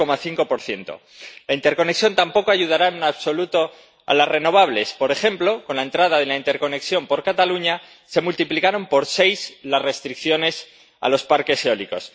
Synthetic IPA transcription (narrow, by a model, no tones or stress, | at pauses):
o̞maθiŋko̞po̞ɾθje̞nt̪o̞̰ | laint̪eɾko̞ne̞ksjo̞nt̪ampo̞ko̞aʝuð̞aɾaenunaβso̞lut̪o̞ | a̰lasre̞no̞β̞aβ̞le̞spo̞ɾe̞xe̞mplo̞ko̞nlae̞nt̪ɾað̞aðe̞laint̪e̞ɾko̞ne̞ksjo̞mpo̞ɾkat̪aluɲa | se̞mult̪iplikaɾo̞mpo̞ɾse̞jslasre̞st̪ɾikθjo̞ne̞s | a̰lo̞spaɾke̞seoliko̞̰s